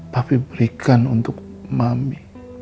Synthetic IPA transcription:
papibɾikʰanʊnt̪ʊk̚ | mami

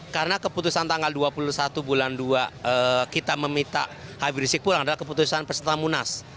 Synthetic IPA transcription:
kaɾənakəput̪usant̪aŋɡalduapulusat̪ubulanduaəkit̪aməmit̪a̰ʔhabiɾisik̚pulaŋadalahkəp̬ut̪usanpəsət̪amunas

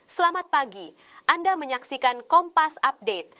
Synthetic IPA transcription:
səlamat̪̚paɡi | ʔandaməɲaksikankɔmpasap̚det̪̚

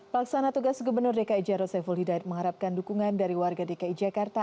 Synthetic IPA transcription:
pəlaksanat̪uɡasɡubərnʊrdekaid͡ʒaɾɔsɛfɔlhidaɪt̪̚məŋɦaɾap̚kandukuŋandaɾiwarɡadekaid͡ʒakart̪a

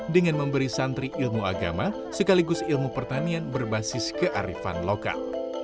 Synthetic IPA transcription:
dəŋanməmbəɾisant̪ɾiʔɪlmua̰ɡa̰ma | səkaliɡʊsilmupərt̪anianbərbasɪskəʔaɾḭfa̰nloka̰l

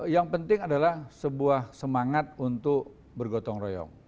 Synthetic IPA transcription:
jaŋpənt̪ɪŋadalahsəbuahsəmaŋat̪̚unt̪ʊk | bərɡot̪ɔŋrojɔ̰ŋ

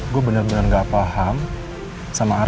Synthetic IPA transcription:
ɡuabənərbənərŋɡaʔpaɦam | samaː

